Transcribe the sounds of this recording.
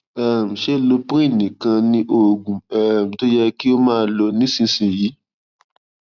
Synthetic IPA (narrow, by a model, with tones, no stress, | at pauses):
ɛ˨m̩̃˨ʃe˦˨lo˧pɾĩ˦˨nĩ˨kã˧nĩ˧ʔo˨ɡũ˨ɛ˨m̩˨to˦jɛ˧ki˦o˦mãː˦˧˦lɔ˧nĩ˨˦sĩ˧sĩ˨jiː˨˦